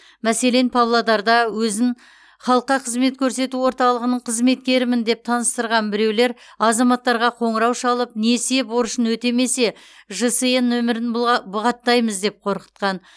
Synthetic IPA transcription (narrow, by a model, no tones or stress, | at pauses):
mæse̞le̞npʰavlˠod̪ɑɾd̪ɑwɵzɪŋ | χɑlˠəqːɑqʰəzme̞t̪kʲʰɵɾse̞t̪uwo̞ɾt̪ɑlˠəʁənəɴqʰəzme̞t̪̚kʲe̞ɾɪmɪnd̪e̞p̚t̪ʰɑnəst̪əɾʁɑnbɪɾe̞wle̞ɾɑzɑmɑt̪ːɑɾʁɑqʰo̞ɴəɾɑwʃɑlˠəp̚ne̞se̞boɾəʃənwɵt̪e̞me̞se̞ | ʒəsɨjənːɵmɪɾɪnbʊʁɑt̪ːɑjməzd̪e̞p̚qʰo̞ɾqə̥t̪̚qɑn